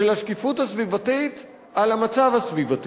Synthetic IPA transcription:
elhaʃkifuthasvivatit̪ | alhamat͡savhasvivat̪

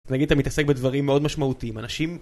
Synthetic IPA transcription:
naɡid̪at̪amit̪ase̞k̚bedvaʁimːeo̞d̪maʃmaut̪iimanaʃim

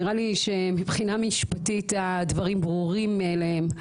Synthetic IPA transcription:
ʁaliʃemipχinamiʃpatitad̪vɐʁimbʁuʁimlehem

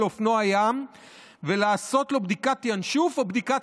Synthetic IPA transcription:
ofno̞ajam | velaːso̞t̪lo̞bd̪ikat̪janʃufobd̪ikat

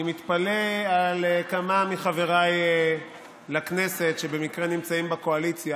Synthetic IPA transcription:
imit̪palealkamamiχave̞ʁaj | lakne̞se̞tʃe̞be̞mikʁenimt͡saimbakoalit͡sja

